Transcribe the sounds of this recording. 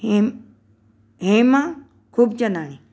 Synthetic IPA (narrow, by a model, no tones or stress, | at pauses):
ɦẽmã | kʰuːbt͡ʃənaːli